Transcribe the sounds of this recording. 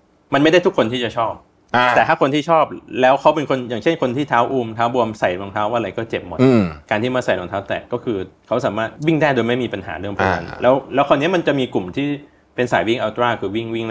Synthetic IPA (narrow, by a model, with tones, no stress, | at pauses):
ma˧nma˥˩jda˥˩t̪ʰu˦˥kʰːo˧nt̪ʰiː˥˩t͡ɕa˨˩t͡ɕʰɔː˥˩p̚ | t̪ɛː˨˩t̪ʰaː˥˩ko˧nt̪ʰiː˥˩ɔː˥˩p̚lɛː˦˥wkʰa˦˥wpe˧nkʰo˧njaː˨˩ŋt͡ɕʰe˥˩nkʰo˧nt̪ʰiː˥˩t̪ʰaː˦˥wʔuː˧mt̪ʰaː˦˥wbu˧əmsa˨˩jlɔ˧ŋt̪ʰaː˦˥wʔaː˥˧ɾa˧jkɔː˥˩t͡ɕe˨˩p̚mɔ˨˩˧kaː˧nt̪i˥˩maː˧˩sa˨˩jlɔ˧ŋt̪ʰaː˦˥t̪ɛ̰ː˨˩kːɔː˥˩kʰɯː˧kʰa˦˥wsaː˩˦maː˥˩t̪̚wi˥˩ŋdaː˥˩jdoː˧jma˥˩jmiː˧pa˧nɦa̰ː˩˦ɾɯ˥˩əŋpʰɔ˨˩a̰˧nlɛː˦˥wlɛː˦˥wkʰɔː˧ni˦˥ɐma˧nt͡ɕa˨˩miː˧ku˨˩mt̪ʰiː˥˩ | pe˧nsa̰ː˩˦jwi˥˩ŋʔaː˧t̪ɾaː˥˩kʰɯː˧wi˥˩ŋwi˥˩ŋ˧